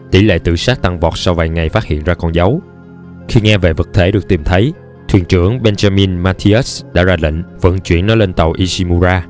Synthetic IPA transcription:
t̪ḭ˧˩lḛ˧˨t̪ɨ̰˧˨saː˦˥k̚t̪a˧ŋvɔ˨˩t̚sa˧wvaː˨˩jŋa˨˩jfaː˦˥t̚hḭ˧˨ənzaː˧kɔ˧nza˨˦w | xi˧ŋɛ˧vḛ˧˨və˨˩t̚t̪ʰe˧˩˦ɗɨ˨˩ək̚t̪i˨˩mt̪ʰə˨˦j | t̪ʰwḭ˧˨nt͡ɕɨ˧˩əŋɓe˧nzaː˧mi˧nmaː˧t̪ʰi˧ʔə˦˥sɗa̰ː˧˥zaː˧lḭ˧˨ŋ̟və̰˧˨nt͡ɕwḭ˧˩ənːɔ˨˦le˧nt̪ə˨˩wʔi˧si˧mu˧zaː˧

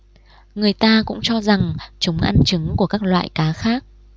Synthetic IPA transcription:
ŋɨ˨˩əjt̪aː˧kʊ̰˧˥ŋ͡mt͡ɕɔ˧za˨˩ŋt͡ɕʊ˨˦ŋ͡mʔa˧nt͡ɕɨ˨˦ŋku˧˩əkaː˦˥k̚lwa̰ː˧˨jkaː˨˦xaː˦˥k̚

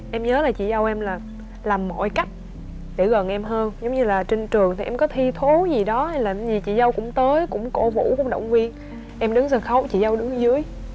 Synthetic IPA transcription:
ʔɛ˧mɲəː˨˦laː˨˩t͡ɕḭ˧˨zə˧wʔɛ˧mlaː˨˩ | laː˨˩mːo̰˧˨jka˦˥jk̟̚ | ɗe˧˩ɣə˨˩nʔɛ˧mɦəː˧nzə˨˦wɲɨ˧laː˨˩t͡ɕe˧ŋt͡ɕɨ˨˩əŋt̪ʰi˨˩ʔɛ˧mkɔ˨˦t̪ʰi˧t̪ʰo˨˦zi˨˩ɗɔ˨˦˧laː˨˩˨zi˨˩t͡ɕḭ˧˨zə˧wkʊ̰˧˥ŋ͡mt̪əː˨˦jkʊ̰˧˥ŋ͡mko̰˧˩vṵ˧˥kʊ̰˧˥ŋ͡mɗə̰˧˨wŋ͡mvi˧ən | ʔɛ˧mɗɨ˨˦ŋzə˧˩nxə˨˦wt͡ɕḭ˧˨zə˧wɗɨ˨˦ŋzɨ˨˦əj

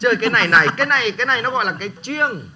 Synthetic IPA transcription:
t͡ɕəː˧˩jkaː˨˦jna˨˩jna˨˩jkaː˨˦jna˨˩jkaː˨˦jna˨˩jnɔ˨˦ɣɔ̰˧˨laː˨˩kaː˨˦jt͡ɕwi˧əŋ

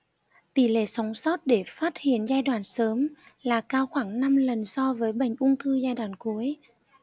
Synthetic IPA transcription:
t̪i˧˩lḛ˧˩˨sə˨˦wŋ͡msɔ˦˥t̚ɗe˧˩faː˦˥t̚hḭ˧˨ənzaː˧jɗwaː˧˩nsəː˨˦mlaː˨˩kaː˧wxwaː˧˩ŋna˧mlə˨˩nsɔ˧vəː˨˦jɓa˧˩jŋ̟ʔʊ˧ŋ͡mt̪ʰɨ˧zaː˧jɗwaː˧˩˨nku˨˦əj

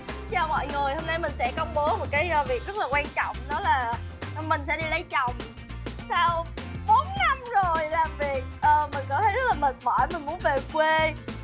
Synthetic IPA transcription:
t͡ɕaː˨˩mɔ̰˧˨jŋɨ˨˩jho˧mna˧jmï˨˩ŋ̟sɛ̰˧˥kə˧wŋ͡mɓo˨˦mo˨˩t̚kaː˨˦jvi˨˩ək̚zə˦˥laː˨˩kwaː˧nt͡ɕɔ̰˧˨wŋ͡mnɔ˨˦laː˨˩˨mï˨˩ŋ̟sɛ̰˧˥ɗi˧lə˨˦jt͡ɕɔ˨˧˨wŋ͡m | saː˧wɓo˨˦n̚na˧mzo˨˩jlaː˨˩mvi˨˩ək̚ʔəː˨˩mï˨˩nkɔ˨˦t̪ʰe˨˦˥laː˨˩mə˨˩nɓɔ̰˧˩jmï˨˩mu˨˦nve˨˩kwe˧

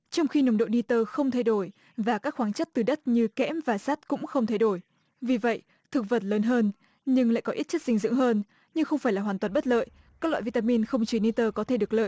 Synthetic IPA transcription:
t͡ɕɔ˧wŋ͡mxi˧nə˨˦wŋ͡mɗo̰˧˨ni˧t̪əː˧xə˧wŋ͡mt̪ʰa˧jɗo˧˩j | vaː˨˩kaː˦˥k̚xwaː˨˦nt͡ɕə˦˥t̚t̪ɨ˨˩ɗə˦˥t̚ɲɨ˧kɛ̰˧˥mvaː˨˩saː˦˥t̚kʊ̰˧˥ŋ͡mxə˧wŋ͡mt̪ʰa˧jɗo˧˩j | vi˨˩və̰˧˨j | t̪ʰɨ˨˩k̚və˨˩t̚ləː˨˦nɦəː˧n | ɲɨ˧ŋla̰ː˧˨jkɔ˨˦ʔi˦˥t̚t͡ɕə˦˥t̚sï˧ŋ̟zɨ̰˧˥əŋɦəː˧n | ɲɨ˧ŋxə˧wŋ͡mfaː˧˩jlaː˨˩ɦwaː˨˩nt̪waː˨˩nɓə˦˥t̚lə̰ː˧˨j | kaː˦˥k̚lwa̰ː˧˨vi˧t̪aː˧mi˧nxə˧wŋ͡mt͡ɕi˨˦ni˧t̪əː˧kɔ˨˦t̪ʰe˧˩ɗɨ˨˩ək̚lə̰ː˧˨j

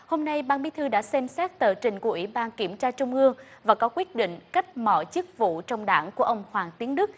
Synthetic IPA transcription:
ho˧mna˧jɓaː˧nɓi˨˦t̪ʰɨ˧ɗa̰ː˧˥sɛ˧msɛ˦˥t̚t̪əː˨˩t͡ɕï˨˩ŋ̟ku˧˩əʔwi˧˩ɓaː˧nki˧˩əmt͡ɕaː˧t͡ɕʊ˧ŋ͡mʔɨ˧əŋvaː˨˩kɔ˨˦kwi˦˥ət̚ɗḭ˧˨ŋ̟ka˦˥jk̟̚mɔ̰˧˩t͡ɕɨ˦˥k̚vṵ˧˨t͡ɕɔ˧wŋ͡mɗaː˧˩ŋku˧˩əʔə˧wŋ͡mhwaː˨˩ŋt̪i˨˦əŋɗɨ˦˥k̚

